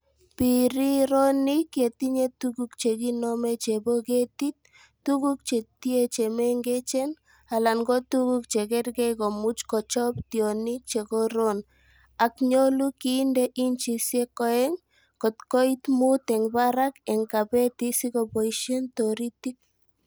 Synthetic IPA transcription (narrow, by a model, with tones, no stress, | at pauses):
piɾi˦ɾonikje˨ti˦ɲetukukt͡ʃe˨ki˦nɔmɛ˦t͡ʃeboke˦tit̪̚ː | uku˦k̚t͡ʃe˨tie˦t͡ʃeme˦ŋɡe˦t͡ʃe˦n | a˨la˨ŋɡɔ˦tukukt͡ʃe˨kɛ˦rkɛ˦jko˨mu˦t͡ʃkɔt͡ʃɔptjɔ˨nik̚t͡ʃe˨kɔ˦ɾon | a˨kɲo˦lukindɛʔint͡ʃi˨sje˦kɔ˦ɛ˦ŋ | kɔ˨tkɔ˦it̪mu˦t̪ɛ˨ŋbaɾakɛ˨ŋkapɛ˦ti˦si˦kobo˨iʃe˦ntɔɾi˦tik̚